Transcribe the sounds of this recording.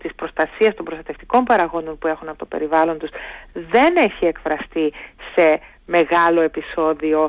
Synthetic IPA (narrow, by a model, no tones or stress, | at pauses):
t̪ispɾo̞st̪ɐsiɐst̪o̞mbɾst̪ɐt̪eft̪i̥ko̞mpɐɾɐɣo̞nd̪o̞npue̞xunɐpo̞t̪o̞pe̞̰ɾivɐlo̞nt̪usðe̞ne̞çie̞kfɾɐst̪ise̞ | me̞ɣɐlo̞e̞piso̞ðio̞